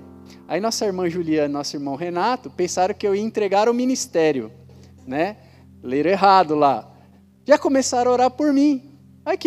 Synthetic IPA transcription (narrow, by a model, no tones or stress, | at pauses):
ainɔsɐiɾmɐ̃ʒuliɐ̃nnɔsʊiɾmɐ̃w̃ɦenat̪ʊpẽsaɾʊ̃kɪewiɐẽt̪ɾeɡaɾʊmĩnist̪ɛɾjʊ̰ | nɛ | leɾʊeɦad̪ʊla | ʒakõmesaɾɐoɾaɾpoɾmĩ | ajk